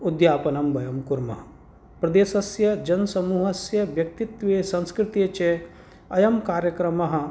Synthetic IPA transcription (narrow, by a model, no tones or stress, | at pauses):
ud̪jaːpɐnɐmʋɐjɐmkuɾmɐɦ | pɾɐd̪eːsɐsjɐd͡ʒɐnsɐmuːɦɐsjɐʋjɐk̚t̪it̪ʋeːsɐ̃nskɾɪt̪it͡ʃe | ɐjɐmkaːɾjɐkɾɐmɐɦɐ̆